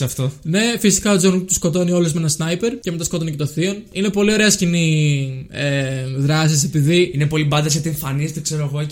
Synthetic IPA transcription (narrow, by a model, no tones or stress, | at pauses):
ɐft̪one̞fisi̥kɐod͡zont̪uskot̪o̞nio̞luzmenɐsnɐjpe̞ɾceme̞t̪ɐskot̪o̞nicet̪oθio̞nine̞po̞lio̞ɾe̞ɐscini | eðɾɐs̬is̬e̞piðiinepo̞libɐnd̪ɐsɐt̪ieɱfɐnist̪ekse̞ɾoɐɣo